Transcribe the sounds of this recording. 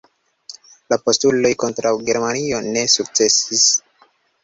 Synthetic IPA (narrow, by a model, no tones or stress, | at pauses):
lapo̞stulo̞jko̞ntɾawɡe̞ɾmanio̞ne̞suk̚t͡se̞sis